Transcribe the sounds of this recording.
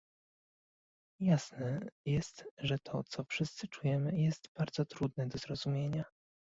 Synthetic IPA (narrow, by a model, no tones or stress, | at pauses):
jasnɛjɛst̪ʐɛt̪ʰɔt̪sɔfʂɘst̪sɘt͡ʂujɛmɘjɛst̪b̥aɾd̪zɔt̪ɾud̪nɛd̪ɔzɾɔzumʲjeɲa